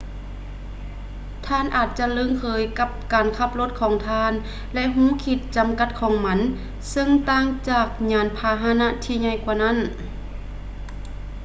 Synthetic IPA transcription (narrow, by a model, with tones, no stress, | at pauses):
t̪ʰaː˧˥˨nʔaː˨˩t̪̚t͡ɕa˧lɯ˧˨ŋkʰɤː˨˧˦jka˧˥p̚kaː˨˩nkʰa˧˥p̚lo˧˦t̪̚kʰɔː˨˧˦ŋt̪ʰaː˧˥˨n | lɛ˧ʔɦũː˧˥˨kʰi˧t̪̚t͡ɕa˨˩mka˧˦t̪̚kʰɔː˨˧˦ŋma˧˥n | sɤ˧ŋt̪aː˧˨ŋt͡ɕaː˧˩k̚ɲaː˨˧˥npʰaː˧ɦaː˧na˧˥t̪ʰiː˧ɲa˧˩jkwaː˧˩na˧˥˨n